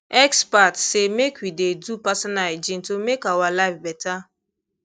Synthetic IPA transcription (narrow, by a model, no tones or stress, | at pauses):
ɛkspatsemekʷidedupasɔnald͡ʒin̩tomekawalaɪfbɛta